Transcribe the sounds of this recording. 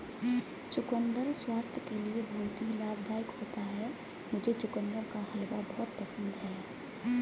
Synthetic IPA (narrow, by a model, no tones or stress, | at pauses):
t͡ʃʊkə̃nd̪əɾswaːst̪ʰjəkeliebʱɐːt̪ilaːbd̪ʱaːɪkɦoːt̪aɦɛ | mʊd͡ʒʱet͡ʃʊkə̃nd̪əɾkahɐlbabɔɦt̪̚pəsə̃nd̪ɦɛː